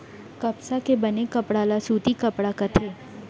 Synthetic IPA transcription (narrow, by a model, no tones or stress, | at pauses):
kɐpsakebɐnekɐpɽaːlasuːt̪ikɐpɽakɐt̪ʰeː